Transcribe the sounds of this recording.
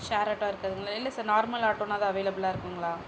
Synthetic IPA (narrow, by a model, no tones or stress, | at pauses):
ʃaːɾaʈːãːɪɾɯkːɐðɯŋɡɐɭaɪlːɐsaːɾnaːɾmɐlaːʈːoːnaːðãːɐʋeːlɐbɪlaːɪɾɯkːɯŋɡɐɭaː